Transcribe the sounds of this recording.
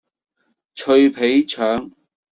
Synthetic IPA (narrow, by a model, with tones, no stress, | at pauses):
t͡ɕʰɵ˨˧jpʰe˨˥jt͡ɕʰœː˨˥ŋ